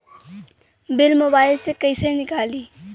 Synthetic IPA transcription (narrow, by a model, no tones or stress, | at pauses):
bɪlmobaːɪlseːkəɪsenɪkaːliː